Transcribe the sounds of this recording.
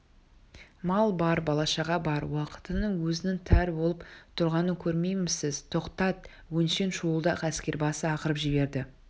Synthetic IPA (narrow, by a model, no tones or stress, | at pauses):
mɑlˠbɑɾbɑlˠɑʃɑʁɑbɑɾwɑqə̥t̪ənəŋwɵzɪnɪŋt̪ʰæɾbo̞lˠəpt̪ʰʊɾʁɑnəkʲʰɵɾmejmɪsɪzt̪ʰo̞qt̪ɑt̪̚ | wɵnʃe̞nʃuəlˠd̪ɑqʰæskʲe̞ɾbɑsəɑqəɾəpʒɪbe̞ɾd̪ɪ